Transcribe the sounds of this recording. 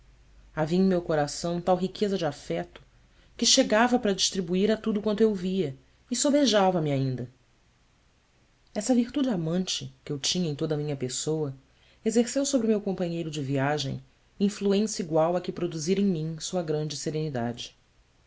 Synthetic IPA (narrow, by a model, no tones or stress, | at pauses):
aviɐ̃mewkoɾasɐ̃w̃t̪awɦikʰezɐd͡ʒɪafɛt̪ʊ̥ | kɪʃeɡavɐpɾɐd͡ʒiʃt̪ɾibuiɾɐt̪ud̪ʊkwɐ̃nt̪ʊewviɐ | ɪsobeʒavɐmɪaĩnd̪ɐ | ɛsɐviχt̪ud͡ʒɪamɐ̃nt͡ʃɪkɪewt͡ʃĩɲɐẽj̃t̪od̪ɐmĩɲɐpesowɐ | ezeɾsewsobɾɪmewkõmpɐ̃ɲejɾʊd͡ʒɪviaʒḛ̃j̃ | ĩfluẽsɐiɡwawɐkɪpɾod̪uziɾẽj̃mĩsuɐɡɾɐ̃nd͡ʒɪseɾenid̪a̰d͡ʒɪ